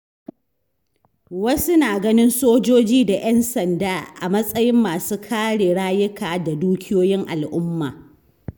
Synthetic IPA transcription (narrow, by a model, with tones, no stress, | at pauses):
wɐ˦su˦naː˨ɡɐ˦nɪ˦nsoː˦d͡ʒoː˦d͡ʒiː˦da˨ʔɛ˦nsɐ˨ndaː˦ʔa˨mɐ˦sʼɐ˦jɪ˦mːaː˨suː˦kʰaː˦ɽeː˨ɽaː˦jɪ˦kaː˨da˨duː˦kʲɪ˦joː˦jɪ˦ŋʔa̰˨lʔʊ˦mːa̰ː˨